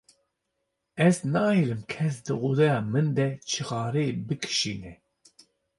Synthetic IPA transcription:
ɛznɑːiɾɨmkʰɛs̬d̪ɨʔud̪ɛjɑːmɨnd̪ɛt͡ʃʰɨɣɑːɾebɨkʰɨ̥ʃiːnɛ

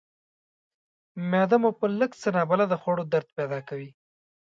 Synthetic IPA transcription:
mɑd̪amopələkt͡sənɑbalad̪əxoɽod̪aɾt̪ped̪ɑkawi

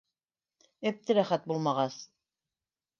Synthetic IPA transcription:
æp̚t̪ɘɾæχæt̪̚bulˠmɑʁɑs

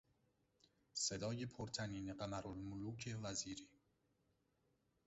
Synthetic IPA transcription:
sed̪ɒːjepʰoɾt̪ʰæniːneɢæmæɾolmʊluːcʰevæziːɾiː

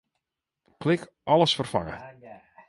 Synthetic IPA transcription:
kʰlɪk | ʔɔləsfərfa̰ŋə̰

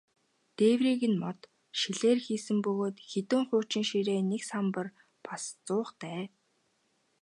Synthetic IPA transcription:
t̪eːwriːɣɘ̆nmɔt̪ | ʃiɮeːrxiːsɘ̆mpɵɣoːt̪xet̪ɘ̆ːŋχʊːt͡ɕɪ̆ŋʃiɾeːneksampə̆r | past͡sʊːχt̪æː

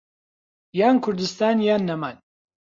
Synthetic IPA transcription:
jaːnkʰʊɾd̪ɨst̪aːnjaːnːɐmaːn

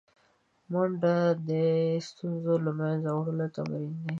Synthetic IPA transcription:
mʊɳɖad̪əst̪unzolamanzawɽəlot̪a̰mɾind̪e

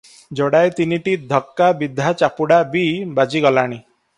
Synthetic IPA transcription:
d͡ʒɔɽajt̪iniʈid̪ʱɔkːabid̪ʱat͡ʃapuɽabibad͡ʒiɡɔlaɽ̃i

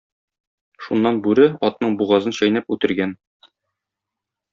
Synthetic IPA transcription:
ʃunːɑnbʉɾɘɒt̪nɤɴbuʁɑzɤnɕɒjnæpʉt̪ɘ̆ɾɡæn

